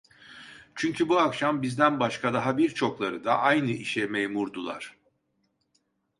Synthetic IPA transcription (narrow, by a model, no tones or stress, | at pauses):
t͡ʃʰyɲcʰybuakʃambizd̪ænbaʃkʰad̪aɦabiɾt͡ʃʰo̞klˠaɾɯ̰d̪aʔajnɯʔiʃɛmejmuɾd̪ulˠa̰ɾ̥